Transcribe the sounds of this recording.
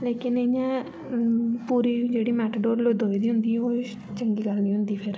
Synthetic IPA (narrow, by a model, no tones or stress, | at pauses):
leːkɪnejãː | puːɾiːd͡ʒeːɽiːmɛːʈɖoːɾloːd̪oːiːd̪iːɦʊ̃nd̪iːɛoː | t͡ʃəŋɡiːɡəlniːɦʊ̃nd̪iːpʰɪɾ